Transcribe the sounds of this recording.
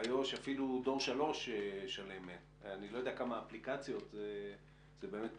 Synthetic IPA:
ajoʃafilud̪o̞ʁʃalo̞ʃeʃale̞me | anilo̞jod̪eakamaːplikat͡sjo̞t̪ze | z̥ebe̞me̞t̪

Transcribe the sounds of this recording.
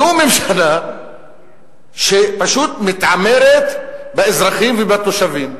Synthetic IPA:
umemʃana | ʃepaʃut̪mit̪ʕameɾet̪beezʁaχimvebat̪oʃavim

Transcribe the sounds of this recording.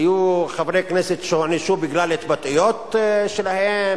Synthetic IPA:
juxavɾekneset̪ʃhniʃubɪɡlaːlet̪bat̪ijot̪ʃelahe

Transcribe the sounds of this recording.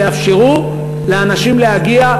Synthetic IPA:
afʃeʁu | leanaʃimlehaɡia

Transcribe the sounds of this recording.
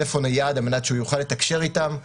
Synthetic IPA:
efo̞najad̪almenat̪ʃeujuχalːe̞t̪akʃe̞ʁit̪am

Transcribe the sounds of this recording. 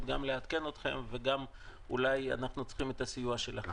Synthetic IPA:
tɡamle̞at̪ke̞no̞t̪χe̞̰mve̞ɡamulaja̰naχnut͡sχimet̪asijuaʃelaχ

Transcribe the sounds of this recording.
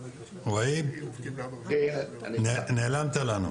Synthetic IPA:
wai | nnelaːmt̪ɐlanṵ

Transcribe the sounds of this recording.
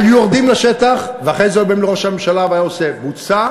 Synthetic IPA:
juoʁd̪imlaʃet̪aχveaχejzeobemleʁo̞ʃamemʃalaveaːjaosebut͡sa

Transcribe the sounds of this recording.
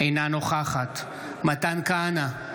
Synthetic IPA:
ejnanoχaχat̪ | mat̪ankaana

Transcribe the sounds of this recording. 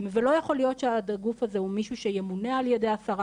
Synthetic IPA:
mvelo̞jaχo̞lijo̞t̪ʃeaɡufazehumiʃuʃejemune̞aljed̪easaʁa

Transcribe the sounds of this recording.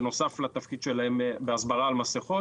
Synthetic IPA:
no̞saflat̪afkid̪ʃe̞lahembeasbaʁaːlmaseχo

